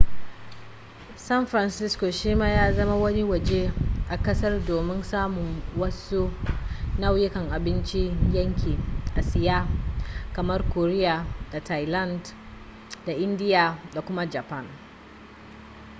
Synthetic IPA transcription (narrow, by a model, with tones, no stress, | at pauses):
sɐ˦nfɾɐ˨nsɪ˦sko˨ʃiː˦maː˦jaː˦zɐ˦ma˦wɐ˦ni˦wɐ˨d͡ʒeː˦ʔa˨kɐ˦sɐ˦rdoː˨mɪ˦nsaː˦mʊ˨ŋwɐ˦su˦na˦wjɪ˦kɐ˨ŋʔa˨bɪ˦nt͡ʃi˦jɐ˦ŋkʲiː˨ʔa˨sɪ˨jaː˦kɐ˨mɐ˦rkoː˨ɾɪ˦ja˨da˨ta˨jla˦nd | da˨ʔɪ˦ndɪ˦ja˨da˨kʷʊ˦ma˦d͡ʒa˨pɐ˦˨n